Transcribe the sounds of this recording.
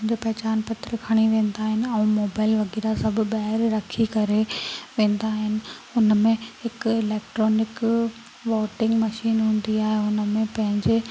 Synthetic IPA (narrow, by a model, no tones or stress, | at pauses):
ɲd͡ʑoːpɐɦt͡ɕaːnpɐt̪ɾkʰaɽ̃iʋẽːn̆d̪aːɦɪnɪ̆ɛ̃ũːmoːbaːɪlʋɐɣiːɾasɐbʱʊ̆bɐɦɪɾɾɐkʰikɐɾeʋẽːn̆d̪aːɦɪnɪ̆ʊnəmẽhɪkɪleːkʈɾoːnɪk | ʋɔːʈɪ̃ŋɡmɐʃiːnɦũːn̆d̪iaːɦeʊnəmẽpɐ̃ɦɪ̃ɲd͡ʑe